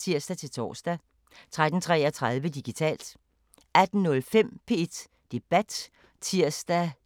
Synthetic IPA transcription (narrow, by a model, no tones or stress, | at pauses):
t͡sʰiɐ̰sd̥æt͡sʰe̝lt͡sʰɒ̰ːsd̥æ | t͡sʰʁad̥n̩t͡sʰʁɛːɐt͡sʰʁað̞ˠʋəd̥iɡ̥it͡sʰɛ̰ːld̥ | æd̥n̩nɔ̽lfem̰pʰe̝e̝d̥ | d̥e̝b̥æd̥ | t͡sʰiɐ̰sd̥æ